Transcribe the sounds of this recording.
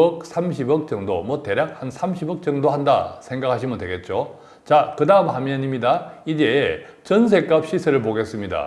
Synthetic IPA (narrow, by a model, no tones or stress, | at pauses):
ʌk̚sʰamɕʰibʌk̚t͡ɕʌŋdomwʌte̞ɾjak̚hansʰamɕʰibʌk̚t͡ɕ͈ʌŋdoɦanda̰sʰe̞ŋɡak̚ʰaɕʰimɯndwe̞ɡe̞t̚t͡ɕ͈o | t͡ɕakɯdaɯmɦamjʌɲimɲidaid͡ʑe | t͡ɕʌns̬ʰe̞k͈ap̚ɕ͈isʰeɾɯɭp̬oɡe̞s͈ɯmɲida̰